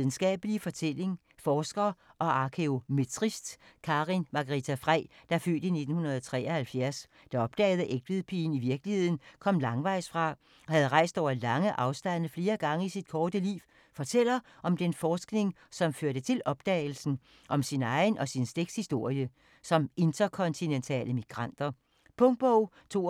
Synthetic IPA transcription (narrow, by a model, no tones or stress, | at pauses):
ðˠn̩sɡ̥ɛ̰ːb̥əlifɒ̽t͡sʰel̰e̝ŋ | fɒːsɡ̥ɐːʔɒ̽ʔɑ̈kʰeo̝met͡sʰʁisd̥kʰɑʁinmɑ̈ɡ̥ɐʁit͡sʰæfʁɛ̰ɪd̥ɑ̈føld̥əine̝d̥n̩hunɐð̞̩ˠɒt͡sʰʁɛ̰ːɒhælfjæɐs | d̥ɑɒ̽b̥̚d̥ɛ̰ːɪð̞̩ˠəʔeɡ̥̚d̥ʋiðˠpʰḭːn̩iʋiɐɡ̥lihe̝ð̞̰ˠn̩kʰɒ̽m̰lɑ̈ŋʋɑ̈ɪ̰sfʁɑ̈ | ɒ̽hæð̞ˠʁɑ̈ɪ̰sd̥ɒʊ̰ɐlɑ̈ŋəʔɑ̈ʊsd̥æn̰ð̩fle̝ːɐɡ̥ɑ̈ŋəisid̥kʰɒːd̥əlḭːʊ | fɒ̽t͡sʰel̰ɐ | ʔɒ̽md̥enfɒːsɡ̥ne̝ŋsɒ̽mføɐɾ̥ət͡sʰe̝lʔɒ̽b̥d̥ɛ̰ːɪl̩sn̩ | ʔɒ̽msinɑ̈ɪnʔɒ̽sinsd̥eɡ̥shisd̥o̝ɐ̰jə | sɒ̽me̝nd̥ɐkʰɒ̽nt͡sʰinent͡sʰɛ̰ːləmiɡ̥ʁɑn̰d̥ɐ | pʰɔ̽ŋd̥̚b̥ɒʊ̰ | t͡sʰo̝̰ː